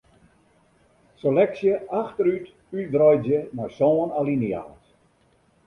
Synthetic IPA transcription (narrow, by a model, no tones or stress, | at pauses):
selɛksjəʔaxtəɾyt | ydrɔjdzjəmɔjsɔːnalinja̰ːt